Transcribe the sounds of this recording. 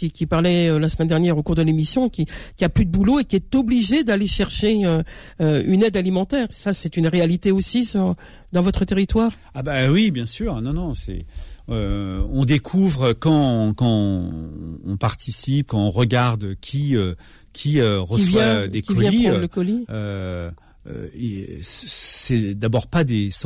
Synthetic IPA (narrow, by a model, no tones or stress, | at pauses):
kikʲipaʁlɛølasəmɛnd̪ɛʁnjɛʁokuʁd̪əlemisjɔ̃kʲikʲiaplyd̪əbuloekʲiɛt̪ɔbliʒed̪aleʃɛʁʃeø | øynɛd̪alimɑ̃t̪ɛːʁsasɛt̪ynʁealit̪eosisɔ | d̪ɑ̃vɔt̪χət̪eʁit̪waːʁ | abawibjɛ̃syːʁnɔ̃nɔ̃sɛ̰øɔ̃d̪ekʰuvʁøkɑ̃kɑ̃ | ɔ̃paʁt̪ʰisip̚kɑ̃ɔ̃ʁəɡaʁd̪økʲʰiø | kʲʰiøʁəisvwjaɛ̃d̪ekvɔjɛ̃iləkɔliø | ø̰issɛd̪abɔʁpad̪es